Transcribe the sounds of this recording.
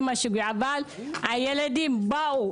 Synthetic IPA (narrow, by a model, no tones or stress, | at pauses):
maʃiɡuabalajeledimbao